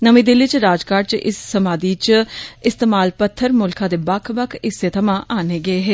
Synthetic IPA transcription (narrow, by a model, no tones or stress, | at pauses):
nəmĩːd̪ɪlːiːt͡ʃɾaːd͡ʒkaːɾt͡ʃʔɪ̰sːəmaːd̪iːt͡ʃɪst̪eːmaːlpət̪ʰːəɾmʊlkʰãːd̪eːbəkʰbəkʰɪset̪ʰəmãːʔaːneːɡəeːɦɛː